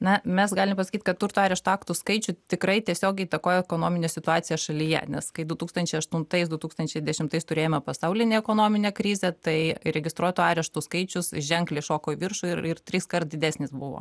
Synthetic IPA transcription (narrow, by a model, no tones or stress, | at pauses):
nɐmʲɛsɡɑːlʲɪmpɐsɐ̥kʲiːt̪kɐtt̪uɾt̪uɑːɾʲɛʃt̪ʊɑːkt̪ʊskɐɪt͡ʃʲʊt̪ʲɪkɾɐɪt̪ʲiɛsʲoːɡʲɛɪiːt̪ɐkoːjɛɛkoːnoːmʲɪnʲesʲɪt̪ʊɑːtsʲɪjɛʃɐlʲijɛ̰nʲɛskɐɪd̪ʊt̪uːkst̪ɐnʲt͡ʃʲɛɪɐʃt̪ʊnt̪ɐɪsd̪ʊt̪uːkst̪ɐnʲt͡ʃʲɛɪd̪ʲɛʃʲɪmt̪ɐɪst̪ʊɾʲeːjoːmʲɛpɐsɐʊlʲɪnʲeːɛkoːnoːmʲɪnʲeːkɾʲizʲɛt̪ɐɪɾʲɛɡʲɪst̪ɾuɔt̪ʊːɑːɾʲɛʃt̪ʊskɐɪt͡ʃʲʊsʒʲɛŋklʲeʃoːkoːiʋʲɪrʃʊɪrɪrt̪ʲɾʲɪskɐrt̪d̪ʲɪd̪ʲæːsʲnʲɪsbʊʋo̰ː